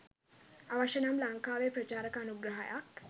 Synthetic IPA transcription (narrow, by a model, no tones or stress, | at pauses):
aʋaʃɐnamlaŋkaːʋepɾɐt͡ʃaːɾɐkanuɡɾɐɦa̰jak